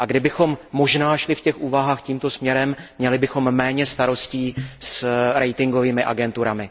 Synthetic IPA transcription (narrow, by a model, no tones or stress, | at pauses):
ʔaɡdɪbɪxo̞mːo̞ʒnaːʃlɪfcɛxʔuːvaɦaːxciːmt̪o̞smɲɛɾɛmːɲɛlɪbɪxo̞mːɛːɲɛst̪aɾo̞sciːsɾɛjt̪ɪŋɡo̞viːmɪʔa̰ɡɛnt̪uɾamɪ